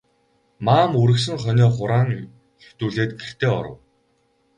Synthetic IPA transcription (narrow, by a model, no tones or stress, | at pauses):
maːmuɾɘ̆ks̬ɘ̆ŋχœnʲɔːχʊɾaːŋ | t̪uːɮeːt̪ɡer̥t̪ʰeːɔ̰ɾə̰̆w